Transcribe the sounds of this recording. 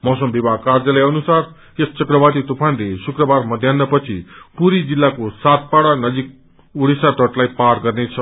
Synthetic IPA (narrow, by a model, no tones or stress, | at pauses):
mʌsʌmbibakard͡zʌleʌnusar | est͡sʌkrʌbat̪it̪upʰanlesukrʌbarmʌd̪ʱjanːʌpʌt͡sʰipuɾid͡zilːakosat̪̚paɽanʌd͡zik̚ | uɽisaʈʌʈlajpaɾɡʌrnet͡sʰʌ